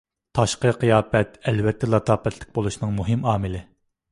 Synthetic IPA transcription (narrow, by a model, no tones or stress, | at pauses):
t̪ʰɑʃqəqɨjɑːpɛt̪ɛlvɛt̪ʰːɛlˠɑt̪ʰɑːpɛt̪ʰlɪ̥k̚ʲbolˠuʃnɨŋmuɦɪmɑːmɨlɪ